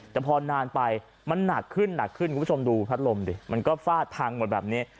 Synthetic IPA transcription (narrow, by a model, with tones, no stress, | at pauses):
t̪ɛ˨˩pʰɔː˧naː˧npa˧j | ma˧nːa˨˩kʰːɯ˥˩nːa˨˩kʰːɯ˥˩nku˨˧˦o˧mduː˧pʰa˦˥t̪̚lo˧mdi˧˩ma˧nkɔː˥˩faː˥˩t̪ʰːaː˧ŋmu˧˩t̚bɛː˨˩p̚niː˦˥